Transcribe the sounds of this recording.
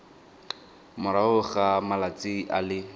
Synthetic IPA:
mʊɾaʊχamalat͡sʼiʔalɪ

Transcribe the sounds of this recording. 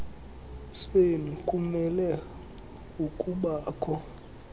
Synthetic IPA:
swenukʼumɛlɛ | ukʼuɓaːkʰɔ

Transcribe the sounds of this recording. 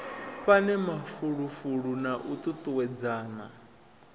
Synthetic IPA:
ɸanɛmafuɺufuɺunaʔut̪ʼut̪ʼuwɛd͡zaːna̰

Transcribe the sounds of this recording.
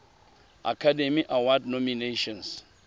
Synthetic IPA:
a̰kʰademiʔawadnɔmineʃɔ̃ns

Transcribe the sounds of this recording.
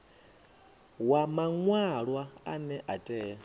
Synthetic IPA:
wamaŋwaɺwaa̰nɛʔatʼɛː

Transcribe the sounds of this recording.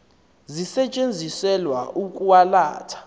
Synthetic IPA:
zisɛt͡ʃʼend͡zʱisɛlwaʔukʼuwala̰ːtʰḁ

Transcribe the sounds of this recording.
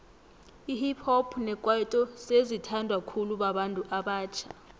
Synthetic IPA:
ihipʰɔpʰnɛkʼwaitʼɔsezitʰandʱwakʰuluɓaɓantʼuʔaɓaːt͡ʃʰḁ

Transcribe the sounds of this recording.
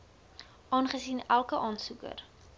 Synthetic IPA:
ʔɑːnχəsiːnælˠkəʔɑːnsukə̰r

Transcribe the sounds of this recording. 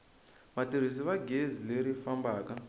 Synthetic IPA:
matiɾ̤isiβaɡʱezileɾifambaːka

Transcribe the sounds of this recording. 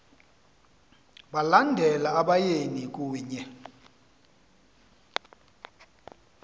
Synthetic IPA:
ɓalandʱɛlaaɓajenik̬ʼuːɲɛ

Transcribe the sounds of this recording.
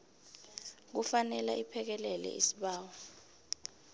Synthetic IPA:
k̬ufanɛla̰ʔipʰɛk̬ɛlɛlɛ̰ḭsiɓaːwɔ

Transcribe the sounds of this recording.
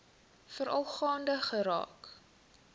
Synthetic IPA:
fəɾʔɐlˠχɑːndəχəɾɑ̰ːk

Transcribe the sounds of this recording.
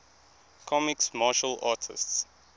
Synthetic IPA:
kʰɔmɪksmɑːʃəlɑːtʰɪ̰sts

